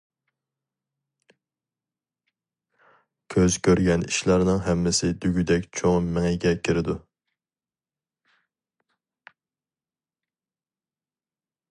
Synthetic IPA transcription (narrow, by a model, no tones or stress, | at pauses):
kʲʰøzkʲʰøɾɡʲɛnḭʃlɑɾnɨŋɦɛmːɪsɪd̪yɡʲyd̪ɛkʲt͡ʃʰoŋmɪŋɛɡʲɛkʲʰiɾɪd̪u